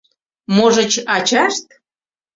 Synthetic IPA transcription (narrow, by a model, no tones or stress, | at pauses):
moʒə̆t͡ɕɑt͡ɕɑʃt̪